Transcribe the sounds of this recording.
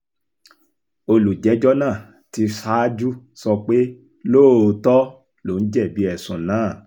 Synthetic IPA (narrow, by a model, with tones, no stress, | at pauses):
o˧lu˨d͡ʒɛ˨˦d͡ʒɔ˦nãː˦˨ | ti˧fa˦d͡ʒu˦sɔ˧k͡pe˦ | loː˦˨o˧tɔ˦ | lo˨˦n̩˦d͡ʒɛ˦˨bi˨˦ɛ˨sũ˨nãː˦˨